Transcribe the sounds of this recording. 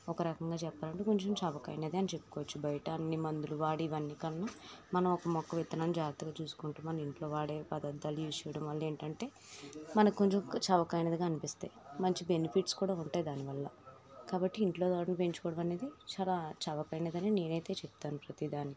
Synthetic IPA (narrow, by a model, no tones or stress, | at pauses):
ɔkɐɾɐkɐŋɡaːt͡ʃɛpːaːlɐɳʈeːko̞ɲt͡ʃɐmt͡ʃɐʋɐkɐ̰jneːd̪eɐnit͡ʃe̞pːu̥koʋɐt͡ʃːubɐjɐʈɐːnːimɐnd̪uluʋaːɽiːʋɐnːikɐnːɐmɐnɐmɔkɐmɔkːɐʋit̪ːɐnaːnud͡ʒaːɡɐt̪ːɐɡaːt͡ʃuːsu̥kuɳʈeːmɐnɐmiɳʈlo̞ːʋaːɽeːpɐd̪ɐd̪ːaːlujit͡ʃɐʋɐɽɐmʋɐlːɐe̞ːɳʈɐɳʈe̞ː | mɐnɐkoɲt͡ʃemkt͡ʃɐʋɐkɐjnɐd̪ikɐnipist̪ḛːmɐɲt͡ʃibe̞nipʰiʈskuːɽaːuɳʈaːjd̪aːniʋɐlːɐ | kaːbɐʈːiːɳʈlo̞ːd̪aːɽɐnpe̞ɲt͡ʃu̥kɔːɽɐmɐne̞ːd̪it͡ʃaːlaːt͡ʃɐʋɐkɐjnɐd̪ɐnine̞ːnɐjt̪e̞ːt͡ʃɛp̚t̪aːnupɾɐt̪id̪aːni